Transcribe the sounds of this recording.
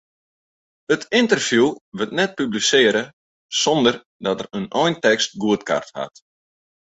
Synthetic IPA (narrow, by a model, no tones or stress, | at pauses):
hətɪntərfjuʋətnɛt̚pyblisɪəɾə | sɔndər | dɔtərənɔjntɛkst̚ɡuətka̰rtha̰t